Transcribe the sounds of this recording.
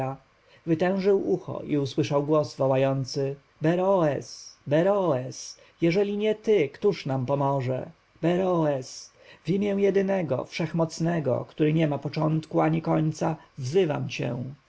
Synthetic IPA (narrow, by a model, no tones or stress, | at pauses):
a | vɘt̪ɛ̃w̃ʐɘwuxɔ̰ʔiuswɘʂawɡwɔzvɔwajɔnt̪sɘ | bɛɾɔɛsbɛɾɔɛs | jɛʐɛlʲiɲɛt̪ɘkt̪uʂnampɔmɔʐɛ̰ | bɛɾɔɛs | vimʲjɛ̃jɛd̪ɘnɛɡɔ̰fʂɛxmɔt̪snɛɡɔ̰kt̪uɾɘɲɛmapɔt͡ʂɔnt̪kuaɲikɔɲt̪savzɘva̰mt͡ɕɛ̰